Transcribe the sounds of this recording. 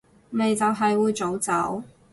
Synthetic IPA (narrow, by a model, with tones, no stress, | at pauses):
me˨˧jt͡sɐ˨wɦɐ˨jwuː˨˧jt͡so˨˥wt͡sɐ˨˥w